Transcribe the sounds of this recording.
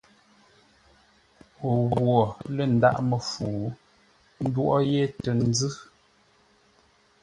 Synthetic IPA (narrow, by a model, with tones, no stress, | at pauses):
o˨ɣwɔ˨lə˨n̩˨da̰˦˨ʔmə˨fuː˨ | n̩˦dwʔɔ˦je˦tə˨n̩˦d͡zɨ˦